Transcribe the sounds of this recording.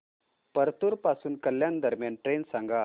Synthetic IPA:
pəɾt̪uɾpasuːnkəljand̪əɾmjanʈɾensãŋɡa

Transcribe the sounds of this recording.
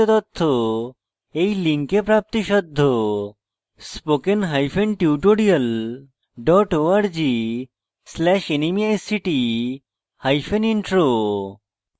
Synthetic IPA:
ot̪ɔt̪ʰːo | ejliŋkepɾap̚t̪iʃɔd̪ʱːo | spokenɦajfʰenʈiʈoɾiəl | ɖɔʈoaɾd͡ʑi | slɛʃenimijajsiʈi | hajfʰeniɳʈɾo

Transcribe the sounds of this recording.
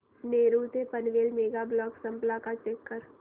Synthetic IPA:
neːɾut̪epənʋeːlmeːɡablɔːksɐ̃mplakat͡ʃeːkːəɾ

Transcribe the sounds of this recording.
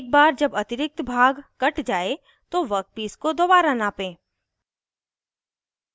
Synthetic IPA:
k̚baːɾd͡ʒɐbɐt̪ɪɾɪk̚t̪bʱaːɡkɐʈd͡ʒaːe | t̪oʋɐk̪̚piːskod̪oːbaːɾanaːpẽː

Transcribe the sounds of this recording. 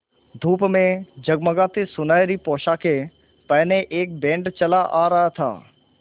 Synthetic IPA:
d̪ʱuːpmẽd͡ʒɐɡməɡãt̪esʊnaːjɾipɔːʃake | pɐɦneʔeːk̚bẽːɳɖt͡ʃɐlaʔaːɾɐɦat̪ʰa̰ː

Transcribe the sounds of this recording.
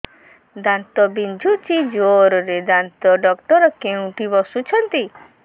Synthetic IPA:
d̪ant̪ɔbind͡ʒʱut͡ʃid͡ʒoɾɔɾed̪ant̪ɔɖɔkʈɔɾɔkeũʈibɔsut͡ʃʰɔnt̪i

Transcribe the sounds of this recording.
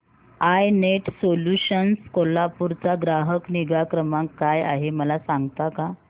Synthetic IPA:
ajneʈsoluɕənskolapuɾt͡saɡɾaɦəkniɡakɾəmãŋkːaja̰ɦeməlasaŋɡt̪aka

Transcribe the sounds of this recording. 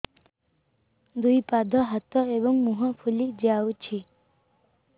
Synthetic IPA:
d̪ujpad̪ʱɔɦat̪ɔebɔŋmuɦɔpʰulid͡ʒiawt͡ʃʰi

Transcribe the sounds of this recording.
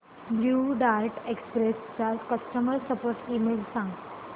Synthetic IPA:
bljuɖaɾʈekspɾest͡sakəsʈəməɾsəpoɾʈiːmelsãŋɡ

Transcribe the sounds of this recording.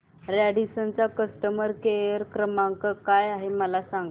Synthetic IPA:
ɾɛɽisənt͡sakəsʈəməɾkeəɾkɾəmãŋkəkajaɦeməlasaŋɡ

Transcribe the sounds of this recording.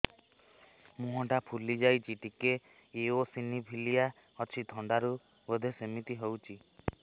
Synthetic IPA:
mũɦɔ̃ʈapʰulid͡ʒajt͡ʃʰiʈikeː | osinibʱilija | ɔt͡ʃʰit̪ʰɔɳɖaɾu | bəd̪ʱesemit̪iɦewt͡ʃʰi

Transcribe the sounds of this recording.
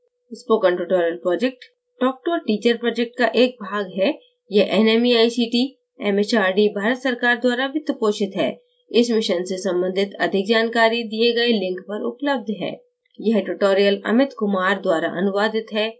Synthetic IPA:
spoːkə̃ɳʈʊʈoːɾijəlpɾɔːd͡ʒek̚ʈ | ɖɔːk̚ʈoːɾʈiːt͡ʃəɾpɾɔːd͡ʒek̚ʈkaʔeːk̚bʱaːɡɦɛ | jeɦʔɛːnɛmiaːjsiːʈi | ɛmet͡ʃaːɾɖibʱaːɾət̪sɐɾkaːɾd̪waːɾaʋʱɪt̪ːəpoːʃɪt̪ɦɛ̰ː | ɪsmɪʃənsesɐ̃mbə̃nd̪ʱɪt̪ɐd̪ʱɪk̚d͡ʒaːnkaːɾid̪ieɡɐelɪ̃ŋkpɐɾʊ̰pləb̚d̪ʱɦɛ̰ː | jɐɦʈʊʈoːɾijəlɐ̰mɪt̪kʊmaːɾd̪waːɾa̰ʔɐnʊʋaːd̪ɪt̪ɦɛː

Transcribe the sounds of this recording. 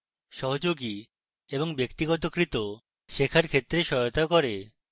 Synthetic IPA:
ʃɔɦod͡ʑoɡi | eboŋbekt̪iɡɔt̪okɾit̪o | ʃekʰaɾkʰet̪ːɾeʃɔjot̪akoɾe

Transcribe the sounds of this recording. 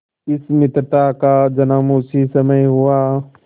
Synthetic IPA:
ɪsmɪt̪ɾət̪akad͡ʒɐnaːmuːsisɐməjɦua

